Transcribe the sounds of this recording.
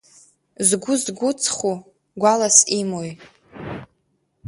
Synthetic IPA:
zɡʷʊzɡʷʊt͡sʰχu | ɡʷalasimoj

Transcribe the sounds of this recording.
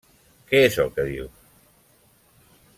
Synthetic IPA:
keesokeðiw

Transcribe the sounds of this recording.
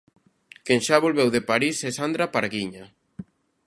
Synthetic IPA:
kenʃaβolβɛwðepaɾisesand̪ɾapaɾɣiɲa

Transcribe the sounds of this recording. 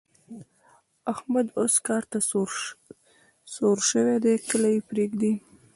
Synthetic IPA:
ahmad̪oskɑɾt̪a | soɾʃəwed̪ekəlajepɾeɡd̪i

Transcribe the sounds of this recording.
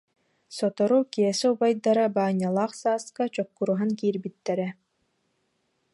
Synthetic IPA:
sɔt̪ɔɾukiɛsɛubajd̪aɾabaːɲːalˠaːχsaːskat͡ɕɔkːuɾuɦankiːɾbit̪ːɛɾɛ

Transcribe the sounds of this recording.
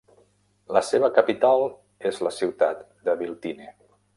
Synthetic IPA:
ləseβ̞əkəpit̪alˠ | ezləsiwt̪at̪ | d̪əβilˠt̪ine

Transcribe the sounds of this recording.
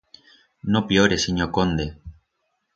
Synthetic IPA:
nopjoɾesiɲokond̪e

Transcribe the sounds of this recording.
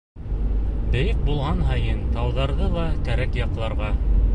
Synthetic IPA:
bɘ̆jɘq̚bulˠʁɑnɦɑjɤnt̪ɑwðɑɾðɤlˠɑkæɾækjɑqlˠɑɾʁɑ

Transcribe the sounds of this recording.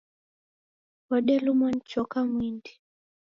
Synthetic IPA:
ɔɗɛlumɔn̩t͡ʃɔkamwindi

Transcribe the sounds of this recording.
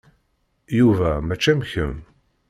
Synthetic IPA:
juvæmæt͡ʃːæmçəm

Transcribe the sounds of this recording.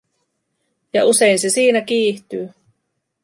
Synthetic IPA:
jɑʔuse̞jnse̞siːnækiːht̪yː

